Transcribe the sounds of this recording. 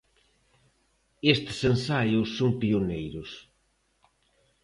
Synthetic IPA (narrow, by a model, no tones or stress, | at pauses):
est̪ɪ̥sensajʊsːoŋpionejɾʊs